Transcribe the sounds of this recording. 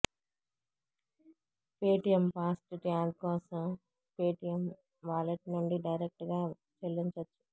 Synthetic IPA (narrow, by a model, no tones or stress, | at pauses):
peːʈijɐmpaːsʈuʈiaːdkɔːsɐm | peːʈijɐm | ʋaːlɐʈnuɳɖiɖɐjɾek̚ʈɡaː | t͡ʃelːiɲt͡ʃɐt͡ʃːu̥